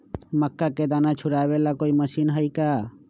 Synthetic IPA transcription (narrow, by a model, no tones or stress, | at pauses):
məkːaked̪anat͡ʃʰuɽabɛlakojməʃinɦəjka